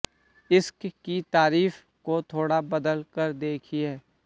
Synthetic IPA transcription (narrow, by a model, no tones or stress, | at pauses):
ɪskkit̪aːɾiːf | kot̪ʰoːɽabɐd̪əlkəɾd̪eːkʰiɦɛː